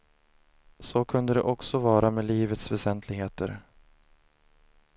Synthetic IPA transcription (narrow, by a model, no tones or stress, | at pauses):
sokʰɵnd̪əd̪ɛ̰ʔɔksɔvɑːɾameːliːvət̪svɛsɛnt̪ʰlɪɡɦeːt̪əɾ